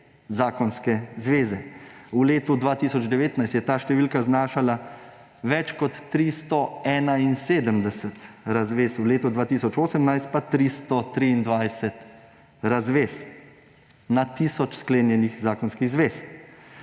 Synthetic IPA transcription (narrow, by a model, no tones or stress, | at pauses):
zaːkɔnskɛzʋeːzɛuleːt̪ud̪ʋaːt̪iːsɔd͡ʒd̪ɛʋeːt̪najst̪jɛt̪aːʃt̪ɛʋiːlkaznaːʃala | ʋɛt͡ʃkɔt̪ːɾist̪ɔɛːnainseːd̪əmd̪ɛsət̪ɾazʋesuleːt̪ɔd̪ʋaːt̪iːsɔt͡ʃoːsəmnajst̪̚pat̪ɾist̪ɔt̪ɾiːnd̪ʋajsɛt̪ | ɾazʋeːs | nat̪iːsɔt͡ʃskleːnjɛnixzaːkɔnskiɣzʋeːs